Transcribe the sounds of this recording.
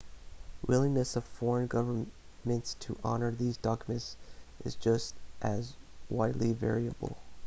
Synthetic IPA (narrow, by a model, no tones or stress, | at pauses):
wʔɪlˠĩŋnɨsʌv̥fɔɹə̃nɡʌvə˞ | mɨ̃ntstʰəʔɑ̰nə˞ðizdɑkjmɨ̃tsʔɨ̰zd͡ʒʌstʔɨzwaɪdˡlivɛ̰ɹiɨbl̩ˠ